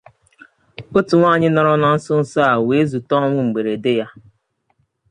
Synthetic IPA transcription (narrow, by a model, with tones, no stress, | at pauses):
o˦tu˨ŋʷa˦˨ɲɪ˦nɔ˨ɾɔ˦na˦n̩˦sʊ˦n̩˨sa˦a˨we˨˦e˦zu˨tɔ˦ŋʷʊ˦ŋ͡m̩˨ɡ͡be˨ɾe˨dɪ˦ja˦